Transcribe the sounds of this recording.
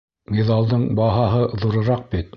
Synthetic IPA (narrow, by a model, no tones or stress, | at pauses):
miðɑlˠd̪ɤɴbɑɦɑɦɤðuɾɤ̆ɾɑq̚bit̪